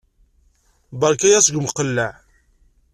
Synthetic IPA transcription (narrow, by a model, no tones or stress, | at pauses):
bɑɾˤkæjæsəɡməqəlːæʕ